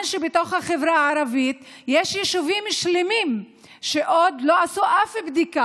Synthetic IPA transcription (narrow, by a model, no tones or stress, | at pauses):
nʃebet̪o̞χhaχevɾaaːɾavit̪ | jeʃjeʃuvimʃlemim | ʃeʔod̪loasuʔafebd̪ika